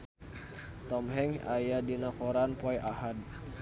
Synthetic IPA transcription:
t̪ɔmɦɛŋa̰jadinakɔɾanpɔjʔahad

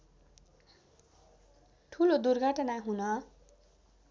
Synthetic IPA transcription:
ʈʰulod̪urɡʱʌʈʌnaɦunʌ

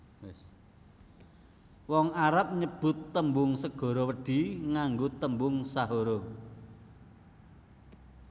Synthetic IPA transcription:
wɪs | wɔŋaɾap̚ɲəb̥ʊ̤t̪ːəmbʊŋsəɡ̥ɔ̤ɾowəɖ̥i̤ŋaŋɡot̪əmbʊŋsaɦoɾo

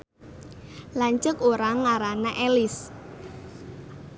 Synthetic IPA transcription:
laɲt͡ʃəkoɾaŋaɾanaʔelɪs

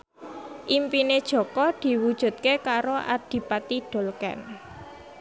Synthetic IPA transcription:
ʔimpined̥ʒ̥ɔ̤kɔd̪̥i̤wud̥ʒ̥ṳt̪̚kekaɾoʔa̰d̥i̤pat̪iɖ̥o̤lkɛ̰n

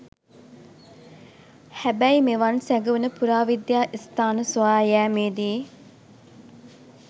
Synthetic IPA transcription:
hæbæimeʋansæɡuʋenəpuɾaːʋid̪jaːʔist̪aːnəsuaːjæːmeːd̪iː

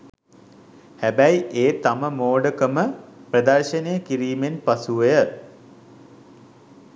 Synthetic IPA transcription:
hæbæjʔeːt̪aməmoːɖəkəməprəd̪arʃənejəkiɾiːmenpasuʋejə

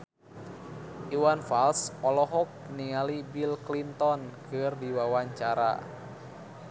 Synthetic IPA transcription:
ʔiwanfalsɔlɔɦɔk̚niŋalibilklint̪ɔnkɨrdiwawaɲt͡ʃaɾa̰

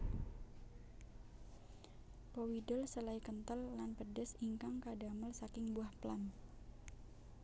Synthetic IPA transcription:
powidʊlsəlaikənt̪əlːanpədəsiŋkaŋkadaməlsakɪŋbuahplan

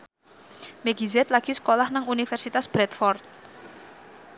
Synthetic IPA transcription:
meɡ̥izɛt̪laɡ̥i̤sə̥kolahnaŋunifɛrsit̪asb̥ɾɛt̪fɔrt̪̚

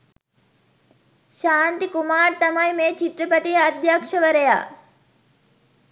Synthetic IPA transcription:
ʃaːnt̪ikumaːɾt̪ɐmɐjmeːt͡ʃit̪ɾɐpɐʈijɐd̪jaːkʂɐʋɐɾɐja̰ː

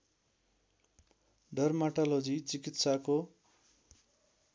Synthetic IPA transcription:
ɖʌrmaʈalod͡zit͡sikit̪sako

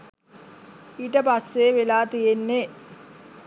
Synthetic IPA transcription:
iːʈəpasːeːʋelaːt̪ijenːe

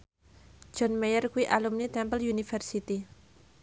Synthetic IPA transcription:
d͡ʒ̥ɔnmejərkuiʔalumnit̪ɛmpəljunifərsit̪i

